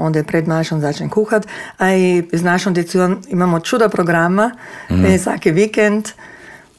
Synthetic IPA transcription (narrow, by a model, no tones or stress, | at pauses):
ɔnd̪jɛpɾɛd̪maʃɔnzaːt͡ʃɲʲɛkuːxat̪aiznaʃɔnd̪ɛsuomimaːmɔt͡ʃuːd̪apɾɔɡɾama | sa̰ːkiʋikɛnt̪